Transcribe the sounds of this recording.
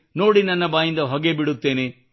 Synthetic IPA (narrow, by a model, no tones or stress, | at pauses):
no̞ːɽinɐnːɐbaːjind̪ɐɦɔɡebiɽut̪ːe̞ːne